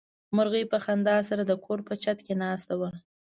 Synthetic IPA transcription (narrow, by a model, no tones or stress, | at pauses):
mʊɾɣəjpəxand̪ɑsaɾad̪əkʰoɾpət͡ʃat̪kenɑst̪awə